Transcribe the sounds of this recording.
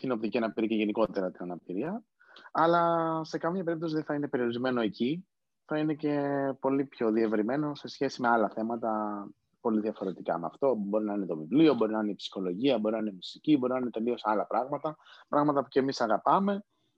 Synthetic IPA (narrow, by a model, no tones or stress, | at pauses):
t̪ino̞p̚t̪iciɐnɐpiɾiceʝe̞niko̞t̪e̞ɾɐt̪inɐnɐpiɾiɐ | ɐlɐse̞kɐmɲɐpe̞ɾip̚t̪o̞siðeθɐine̞pe̞ɾio̞ɾizme̞no̞e̞ci | θɐine̞ce̞po̞lipço̞ðie̞vɾime̞no̞se̞sçe̞simeɐlɐθe̞mɐt̪ɐ | po̞liðiɐfo̞ɾe̞t̪ikɐ̰meɐ̰ft̪o̞bo̞ɾinɐine̞t̪o̞vivlio̞bo̞ɾinɐineipsi̥xo̞lo̞ʝiɐbo̞ɾinɐinemusicibo̞ɾinɐninet̪e̞lio̞sɐlɐpɾɐɣmɐt̪ɐpɾɐɣmɐt̪ɐpuce̞misɐɣɐpɐme̞